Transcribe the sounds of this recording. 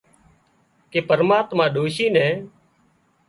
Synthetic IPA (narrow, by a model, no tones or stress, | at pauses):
keːpəɾmaːt̪mãːɗoːʃiːnɛ̃ː